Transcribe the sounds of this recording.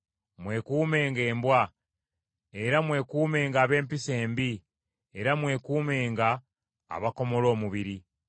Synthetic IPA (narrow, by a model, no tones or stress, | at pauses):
mwe̞kuːme̞ːŋɡe̞ːmbwa | eɾamwe̞kuːme̞ːŋɡaːβe̞ːmpise̞ːmbi | eɾamwe̞ːkuːme̞ːŋɡa̰ː | βako̞mo̞lo̞ːmuβiɾi